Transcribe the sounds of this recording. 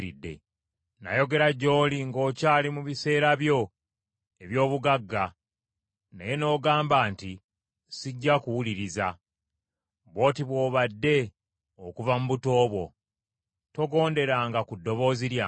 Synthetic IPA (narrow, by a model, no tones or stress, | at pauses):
ɾidːe̞̰ | na̰jo̞ɡe̞ɾaɟo̞ːliŋɡo̞ːcaːlimuβise̞ːɾaβjo̞ | e̞βjo̞ːβuɡaɡːa | nḛje̞no̞ːɡaːmbaːnti | siɟːakuwuliɾiza | βo̞ːtiβwo̞ːβadːe̞ | okuvamuβuto̞ːβwo̞̰ | to̞ɡo̞ːnde̞ɾaŋɡakudːo̞βo̞ːziɾja